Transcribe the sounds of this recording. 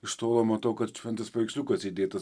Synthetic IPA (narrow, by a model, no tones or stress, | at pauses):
ɪʃt̪oːlˠoːmɐt̪oːkɐt̪ʃʲʋʲɛnt̪ɐspɐɪksʲlʲuːkɐsid̪ʲeːt̪ɐs